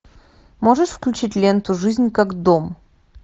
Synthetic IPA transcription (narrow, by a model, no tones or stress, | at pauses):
moʐəʂfklʲʉt͡ɕitʲlʲent̪ʊʐɨzʲnʲkakd̪om